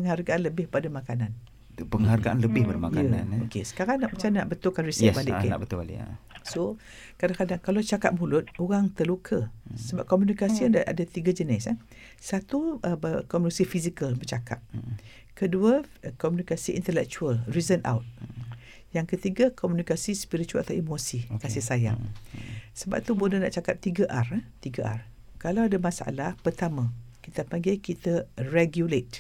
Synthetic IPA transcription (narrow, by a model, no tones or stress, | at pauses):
pəŋharɡaʔanləbɪhpadamakanan | pəŋɦarɡaʔanləbɪhbədamajkjaəna̰nokesə̥kaɾaŋnaʔmat͡ʃana̰ʔbət̪ʊkanrisɛɛbalɪʔkna̰ʔbət̪uba̰lḭa̰so | kadakadaŋkalot͡ʃaka̰p̚mulʊt̪̚oɣaŋt̪əlukʰəsəbap̚kɔmjunikasiəndaa̰dat̪iɡad͡ʒənɪs | sat̪uəbəkɔmunukasifizikəlbərt͡ʃakʰa̰p̚ | kəduəkɔmunikasiʔḭnt̪əlɛk̚t͡ʃualrizəna̰wt̪̚ | jaŋkət̪iɡakʰɔmjunikasispiɾit͡ʃualat̪awimosikasɪsaja̰ | səba̰p̚t̪ubənəna̰ʔt͡ʃakap̚t̪iɡaʔart̪iɡaʔa̰r | kalawadamãsaa̰lahpərt̪amãkit̪apaŋɡajkit̪areɡjulet̪̚